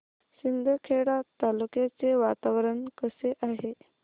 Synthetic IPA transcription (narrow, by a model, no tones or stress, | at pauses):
sind̪ʱəkʰeɽat̪alukjat͡seʋat̪aʋɾəɳkəseʔaɦe